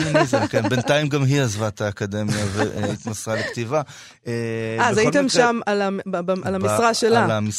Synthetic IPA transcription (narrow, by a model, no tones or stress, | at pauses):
nizakenbent̪aimɡamɦiazvat̪aːkad̪e̞mjaveit̪masʁalekt̪iva | eazait̪emʃamalabaalamisʁaʃelalamis